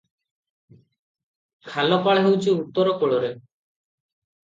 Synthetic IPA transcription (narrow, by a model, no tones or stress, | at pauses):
kʰalɔpaɭɦewt͡ʃʰiut̪ːɔɾɔkoɭoɾe